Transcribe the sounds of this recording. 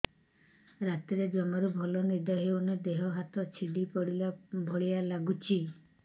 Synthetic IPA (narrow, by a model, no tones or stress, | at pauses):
ɾat̪iɾed͡ʒɔmɔɾubʱɔlɔniɾd̪aɦeuned̪eɦɔɦat̪ɔt͡ʃʰiɖipɔɽilabʱɔɭijalaɡut͡ʃʰi